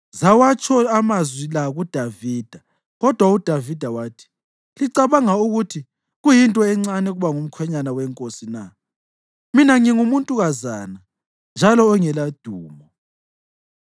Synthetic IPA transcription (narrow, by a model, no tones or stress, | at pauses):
zawat͡ʃʰʼɔamazwilaɣud̥ʱaviːd̥ʱa | ɣɔd̥ʱwaud̥ʱavid̥ʱawaːtʰi̥ | liǀaβaŋauɣutʰi | ɣujintʼɔɛŋ͡ǀanɛɣuβaŋum̩kʰwɛɲanawɛŋkʼosina | minaŋiŋumuntʼuɣazaːna | nd͡ʒʱalɔɔŋɛlad̥ʱuːmɔ